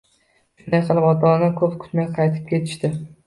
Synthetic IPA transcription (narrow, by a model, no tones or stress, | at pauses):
ʃʊnd̪ajqʰɨlˠɪpɒt̪ʰɒnɪkʰɵpkʰʊ̥t̪majqʰɑjt̪ʰɪ̥p̚kʲe̞t̪ʰɪ̥ʃt̪ɪ